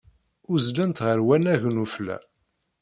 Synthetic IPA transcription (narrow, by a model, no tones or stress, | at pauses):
ʊzlænt̪ʁəɾwænæʝnuflæ̰